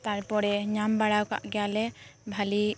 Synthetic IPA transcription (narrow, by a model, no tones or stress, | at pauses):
t̪aɾpɔɾɛɲambaɽawka̰ʔɡɛjalɛbʱali